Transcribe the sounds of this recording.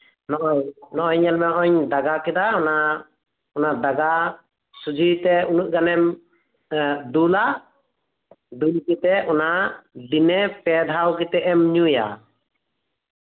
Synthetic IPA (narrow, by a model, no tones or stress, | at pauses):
nɔʔnɔʔɔɲɛlmɛɔʔɔɲd̪aɡakɛd̪aɔna | ɔnad̪aɡa | sud͡ʒʱijt̪ɛunuʔ̚ɡanɛm | d̪ula | d̪ulkɛt̪ɛɔnad̪inɛpɛd̪ʱawkɛt̪ɛʔɛmɲuja̰